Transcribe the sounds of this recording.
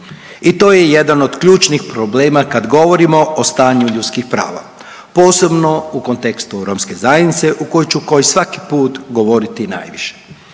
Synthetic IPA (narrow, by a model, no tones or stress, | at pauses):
it̪o̞ːjejed̪ano̞d̪kʎuːt͡ʃnixpɾoble̞ːmakad̪ɡo̞ʋo̞ɾimo̞ʔost̪aːɲuʎut̪skixpɾa̰ːʋa̰ | po̞ːse̞bno̞uko̞nt̪ekst̪uɾoːmske̞zajed̪nit̪se̞ʔuko̞jut͡ʃuko̞jisʋaki̥puːt̪ɡo̞ʋo̞ɾit̪ina̰ːjʋiʃe̥